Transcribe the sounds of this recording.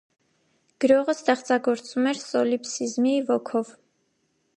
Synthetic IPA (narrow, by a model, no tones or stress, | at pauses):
ɡ̥əɾɔʁəst̪ɛχt͡sɑɡɔɾt͡sumɛɾsɔlipsizmivɔkʰɔv